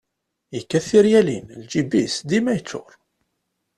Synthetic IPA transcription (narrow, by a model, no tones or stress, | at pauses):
jəkːæθiɾjælinld͡ʒibisd̪imæjət͡sːʊ̰ɾˤ